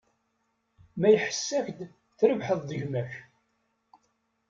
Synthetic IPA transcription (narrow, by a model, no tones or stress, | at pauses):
mæjħə̥sːæçd̪ | θɾəvħəðˤðəʝmæç